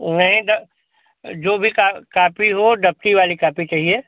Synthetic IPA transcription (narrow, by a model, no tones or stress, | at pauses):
nɐɦĩɖ | d͡ʒoːbʱikakaːpiɦoɖəp̚ʈiʋaːlikaːpit͡ʃaːɦieː